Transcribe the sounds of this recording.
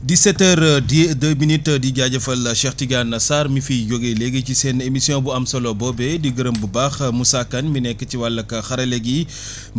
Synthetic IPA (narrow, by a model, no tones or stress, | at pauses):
disɛtːɛɾdəːminitːdiɟaɟɐfɐlʃɛxtiɡanːɐsaːɾmifijɔɡelɛɡecisɛːnemisjɔ̃buɐmsɐlɔbɔbɛdiɡəɾəmbubaːxmusakːɐnminɛkːɐciwalːɐkɐxɐɾɐlɛɡi